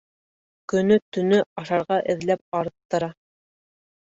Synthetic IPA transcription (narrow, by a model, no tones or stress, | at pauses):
kɵ̆nɵt̪ɵ̆nɵɑʃɑɾʁɑʔɘ̆ðlæp̚ɑɾt̪ːɤ̆ɾɑ